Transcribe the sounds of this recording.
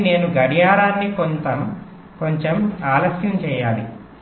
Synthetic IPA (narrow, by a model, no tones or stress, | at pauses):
ne̞ːnuɡɐɽijaːɾaːnːikont̪ɐm | ko̞ɲt͡ʃemaːlɐsjɐmt͡ʃɛːjaːli